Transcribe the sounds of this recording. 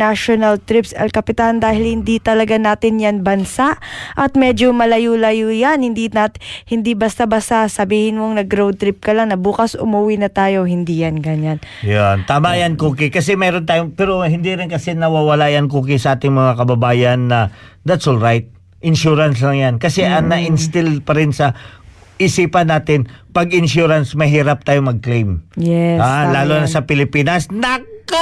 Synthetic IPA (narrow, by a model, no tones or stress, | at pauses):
aʃonɐlt̪ɾɪpsɐ̰lkɐpɪt̪and̪aːhɪlhɪnd̪it̪ɐlɐɡanaːt̪ɪnjanbɐnsaʔʔɐt̪̚mɛːd͡ʒomɐlɐjulɐjujanhɪnd̪iahɪnd̪ibɐst̪abɐst̪asɐbiːhɪnmoŋnɐɡɾowd̪̚t̪ɾɪp̚kɐlaŋnɐbuːkɐsʊ̰muwinɐt̪aːjo̞hɪnd̪ijanɡɐɲan | jont̪aːmajankuːkɪkɐsɛmɛːɾont̪aːjoŋpɛːɾohɪnd̪iɾɪnkɐsɛnɐwawɐlaːʔjɐŋkuːk̬ɪsɐʔaːt̪ɪŋmɐŋakɐbɐbaːjɐnːɐd̪ɐt̪solɹajt̪̚ | ʔɪnʃuːɾɐnslɐŋjankɐsɛʔɐŋnɐʔɪnst̪ɪlpɐɾɪnsɐ | ʔɪsiːpɐnːaːt̪ɪnpɐɡɪnʃuːɾɐnsmɐɦiːɾɐp̚t̪aːjomɐɡ̚klejmjɛhalaːlonɐsɐpɪlɪpiːnɐsnɐk